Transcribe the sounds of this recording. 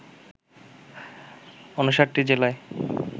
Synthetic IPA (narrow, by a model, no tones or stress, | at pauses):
onuʃaɾʈːid͡ʑelae